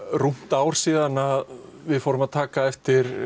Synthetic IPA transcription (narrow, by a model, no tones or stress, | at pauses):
rum̥t̪aːwɾ̥siːðanað | vɪðfoːwɾʏmaðt̪ʰaːkaɛft̪ɪɾ̥